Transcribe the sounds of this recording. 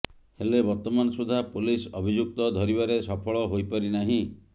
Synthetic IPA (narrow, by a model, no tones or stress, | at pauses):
helebɔɾt̪ɔmanɔsud̪ʱapulisɔbʱid͡ʒuk̚t̪ɔd̪ʱɔɾibaɾesɔpʰɔɭɔɦojpɔɾinaɦĩ